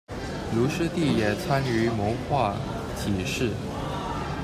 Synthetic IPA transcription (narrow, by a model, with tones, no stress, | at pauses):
lu˧˥ʂɻ̩˥t̪i˥˩jɛ˨˩t͡sʰa˥ny˧˥mɔ˧˥xwa˥˩ | t͡ɕʰi˨˩ʂɻ̩˥˩